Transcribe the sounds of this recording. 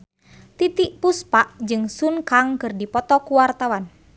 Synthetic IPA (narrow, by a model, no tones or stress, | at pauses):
t̪it̪iʔpuspaʔd͡ʒɨŋsunkaŋkɨrdipɔt̪ɔkuwart̪awan